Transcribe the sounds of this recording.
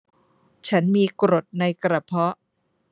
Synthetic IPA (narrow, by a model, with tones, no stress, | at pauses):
t͡ɕʰa˦˥nmiː˧kɾo˨˩t̪̚na˧jkɾa˧pʰɔ˦˥ʔ